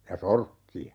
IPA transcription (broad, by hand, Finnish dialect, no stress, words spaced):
jɑ sorkːiɑ